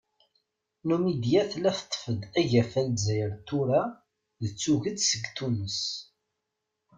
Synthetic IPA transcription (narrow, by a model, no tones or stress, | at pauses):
numid̪jæθlæθt̪ˤːfəd̪æʝæfælzæjəɾt̪ːuɾa | ðət͡sːuʝəd̪səɡt̪unəs